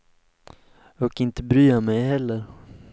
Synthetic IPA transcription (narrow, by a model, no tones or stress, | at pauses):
ɔkɪnt̪əbɾyːamɛjɦɛlːəɾ